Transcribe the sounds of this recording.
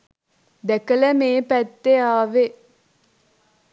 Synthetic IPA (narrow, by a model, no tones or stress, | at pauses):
d̪ækələmeːpæt̪ːeaːʋe